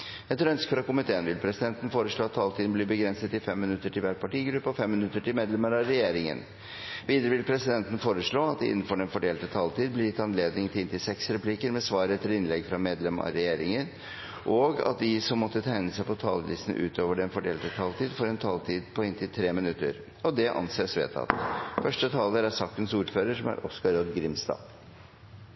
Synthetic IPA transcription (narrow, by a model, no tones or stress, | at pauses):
æɛt̪ʰːɾœnskəfɾɑkʊmɪt̪ʰeːənʋɪlpʰɾɛsɪd̪ɛnt̪ən̩foːɾəʂɭoːɑt̪ʰːɑːlt̪ʰiːd̪nblɪbəɡɾɛnsət̪ɪfɛmːɪnʉt̪ːəʈʰɪlʋæːʈ̚pʰɑʈiːɡɾʉpːəɔfɛmːɪnʉt̪ːəʈʰɪlmeːd̪lɛməɾɑɾɛjeːɾɪŋə̰n | ʋiːd̪əɾəʋɪlpʰɾɛsɪd̪ɛnt̪ən̩foːɾəʂɭoːɑt̪̚d̪ɛɪ̰nːn̩fɔɖɛnfɔɖeːlt̪ət̪ʰɑːlt̪ʰiːd̪̚blɪɾjɪt̪ːɑnleːd̪nɪŋt̪ɪlɪnt̪ɪsɛksɾɛpʰliːkəɾmɛsʋɑːɾəɛt̪ʰːɪlɪnlɛɡfɾɑmeːd̪lɛmɑ̰ɾɛjeːɾɪŋən | ʔɔɡɑ̰t̪̚d̪ɪsɔmːɔt̪ːət̪ʰæɪnəsæɪpʰɔt̪ʰɑ̰ːləlɪsn̩ʔʉ̰ːt̪ʰoːʋəɖɛnfɔɖeːlt̪ət̪ʰɑːlt̪ʰiːd̪fɔɾɛnt̪ʰɑːlt̪ʰiːd̪pʰɔɪnt̪ɪlt̪ʰɾeːmɪnʉt̪ːə̰ɾ | ɔd̪ɛʔɑ̰nseːsʋḛːt̪ʰɑ̰t̪fœʂʈət̪ʰɑːləæsɑk̚t̪ənsuːɾføːɾəʂɔmæ̰ɾʔɔskɑɾɔd̪ɡɾɪmst̪ɑ̰ː